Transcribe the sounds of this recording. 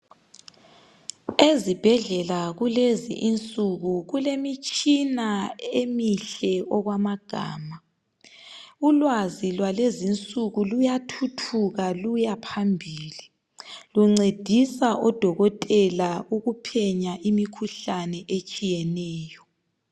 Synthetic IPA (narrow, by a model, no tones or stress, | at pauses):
ezib̥ʱɛɮɛlaɣulezḭʔint͡sʼuɣuɣulemit͡ʃʼinaemiɬɛɔɣwamaɡ̥ʱa̰ːma | ulwazilwalezint͡sʼuɣulujatʰutʰuɣalujapʰambʱiːli | luŋ͡ǀed̥ʱisaʔɔd̥ʱɔɣɔtʼɛlauɣupʰɛɲaʔimikʰuɬanɛʔet͡ʃʼijɛnɛːjɔ